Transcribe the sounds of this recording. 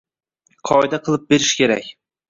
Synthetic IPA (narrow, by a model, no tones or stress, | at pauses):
qʰɒjd̪aqʰɨlˠɪp̚beɾɪʃkʲʰe̞ɾa̰kʲ